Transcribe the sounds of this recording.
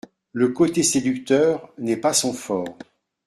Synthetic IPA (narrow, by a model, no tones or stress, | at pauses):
ləkot̪esed̪ykt̪œːʁnɛpasɔ̃fɔːʁ